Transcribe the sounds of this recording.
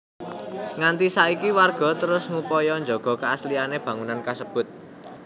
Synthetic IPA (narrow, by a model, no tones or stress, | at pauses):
ŋant̪isaikiwarɡ̥ɔ̤t̪əɾʊsŋupɔjɔɲd͡ʒoɡ̥ɔ̤kəaslianeb̥ä̤ŋunankasəb̥ʊt̪̚